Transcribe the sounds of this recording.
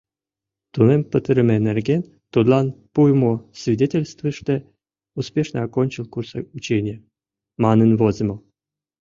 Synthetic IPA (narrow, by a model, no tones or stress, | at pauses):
t̪unempət̪əɾɘ̆menerɡʲenʲ | t̪ud̪lˠɑnpujmusvʲidʲetʲelʲst̪vɨʂt̪e | uspʲeʂnəakonʲt͡ɕilˠkurso̰jut͡ɕenʲɪjə | mɑnənvozʲəmɤl